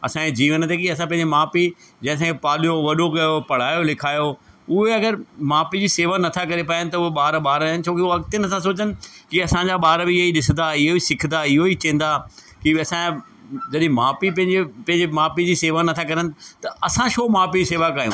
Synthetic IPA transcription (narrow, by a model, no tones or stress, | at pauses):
ɐsãked͡ʑiːʋənt̪ekiɐsãp̬ɐ̃ɦɪ̃ɲd͡ʑemaːpid͡ʑɐ̃ːɪ̃s̬ãːkʰepaːlijoʋɐɗokɐjopɐɽ̤aːjolɪkʰaːjo | ʊɦeɐɡəɾmaːpid͡ʑiːseːʋanɐt̪ʰakɐɾepaːjənɪ̆t̪ɐʊɦeɓaːɾɓaːɾaːɦɪnɪ̆t͡ɕʰõːkioɐɡt̪enɐsãsoːt͡ɕənɪ̆kiɐsãɲd͡ʑaɓaːɾbʱɪɦoiɗɪsə̃nd̪aɪɦoisɪkʰnd̪aɪɦoit͡ɕɐ̃ːn̆d̪aː | kiɐsã | d͡ʑɐɗɪ̃maːpipɐ̃ɦɪ̃epɐ̃ɦɪ̃ɲd͡ʑemaːpid͡ʑiːseːʋanɐt̪ʰakɐɾənɪ̆t̪ɐɐsãʃoːmaːpiiseːʋakaːjṵ̃ː